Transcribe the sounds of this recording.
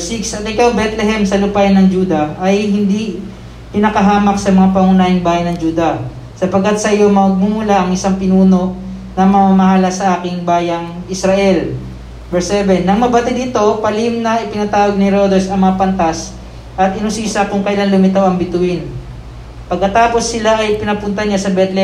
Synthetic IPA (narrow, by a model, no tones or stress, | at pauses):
siksɐt̪ɪkɐwbɛt̪lɛɦɛmsɐlʊpajnɐŋd͡ʒuːd̪ɐʔɐjɦɪnd̪i | pɪnɐkɐɦaːmɐk̚sɐmɐŋapɐŋʊnaːjɪŋbaːjɐjnɐŋd͡ʒuːd̪ɐ | sɐpɐɡkːɐt̪̚sɐʔɪjo̞mɐɡ̚mumulaʔɐŋɪsaŋpɪnuːno̞ | nɐmɐmamɐɦalɐsɐʔaːkɪŋbaːjɐŋɪsɾɐʔɛl | bɛɹsɛbɛnːɐŋmɐbɐt̪ɪd̪ɪt̪o̞pɐlɪmnɐʔɪpɪnɐt̪aːwɐɡ̚nɪɾod̪ɛsɐŋmɐŋapɐnt̪as | ʔɐt̪ɪnʊsiːsɐkʊŋkɐjlanlʊmɪt̪awɐŋbɪt̪ʊɪn | pɐɡ̚kːɐt̪aːpo̞sːɪlaʔɐjpɪnɐpʊnt̪ɐɲasɐbɛt̪lɛ